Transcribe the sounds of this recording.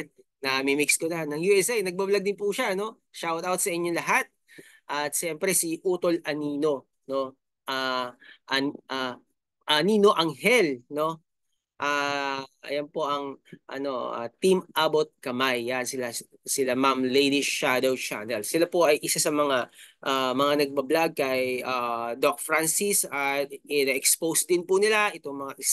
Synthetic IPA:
nɐmɛmɪkskolɐanɐŋjuːʔɛsɛjnɐɡ̚bablɐɡ̚d̪ɪnpuʃaʔɐno̞ | ʃawt̪awt̪sɐʔɪɲːolɐɦat̪̚ | ʔɐt̪̚ʃɛmpɾɛsiʔuːt̪o̞lʔɐniːno̞ | no̞ | ʔaʔʔa | ʔɐniːno̞ʔɐŋhɛlno̞ | ʔaːʔɐ̰jɐnpo̞ʔɐŋʔɐ̰no̞a̰t̪imʔabot̪̚kɐmajːansɪla | sɪlamamlejd̪iad̪owt͡ʃa̰nɛlsɪlapoʔɐjʔɪsasɐmɐŋaʔamɐŋanɐɡ̚bɐblaɡ̚kɐjʔad̪ok̚fɾansisaɪnɛʔɛkspowsd̪ɪnpʊnɪlaʔɪt̪oŋmɐŋaʔɪ

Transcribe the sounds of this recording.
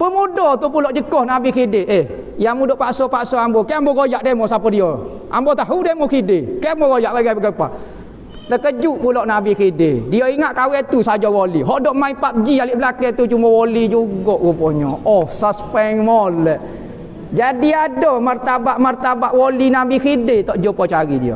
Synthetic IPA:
pəmudɔt̪up̬ulɔʔd͡ʒəkɔhnabikideʔeh | jamudɔʔpaʔsɔpaʔsɔambɔkɛambɔɡojaʔdemɔsapɔdiɔ | ʔa̰mbɔt̪aɦudemɔkidekɛambɔɡojaʔbaɡajbəɡəpa̰ʔ | t̪əkəd͡ʒuʔpulɔʔnabikidedioiŋaʔkawɛt̪usad͡ʒɔwoliɦɔʔdɔʔmaipap̚d͡ʒialiʔbəlakɛt̪ut͡ʃumɔwolid͡ʒuɡɔʔwupɔɲɔɔsaspɛŋmɔlɛʔ | d͡ʒadiadɔmərt̪abaʔmərt̪abaʔwolinabikidet̪ɔʔd͡ʒopɔt͡ʃaɾidḭo̰

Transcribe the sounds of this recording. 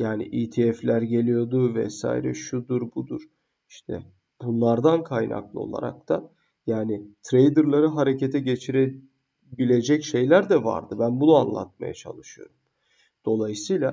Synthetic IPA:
jaːnḭʔiːt̪ʰiɛflʲæɾɟe̞lʲijo̞d̪uvɛ̰sa̰ːjiɾɛ̰ʃud̪uɾbud̪uɾ̥ | iʃt̪ʰɛ̰ | b̥unlˠaɾd̪ankʰajna̰klˠɯo̞̰lˠa̰ɾa̰k̚t̪ʰa | jaːnɪt̪ʰɾejd̪ɯɾlˠaɾɯɦaɾe̞cet̪ʰɛɟe̞t͡ʃʰiɾe | bilʲe̞d͡ʒɛcʃe̞jlʲæɾd̪ɛva̰ɾd̪ɯbænbunuanlˠa̰t̪̚ma̰ja̰t͡ʃʰa̰lˠɯʃɯjo̞̰ɾum | d̪̥o̞lˠajɯsɯjlʲˠa

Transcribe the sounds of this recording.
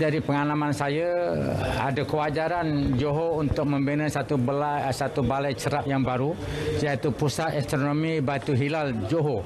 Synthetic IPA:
daɾipəŋalamansaja | a̰dakəwad͡ʒaɾand͡ʒoɦount̪ʊk̚məmbenəsat̪ubəlasat̪ubalajt͡ʃəɾap̚jaŋbaɾusiait̪upusat̪ɛst̪ɾonomibat̪uɦilald͡ʒoɦo

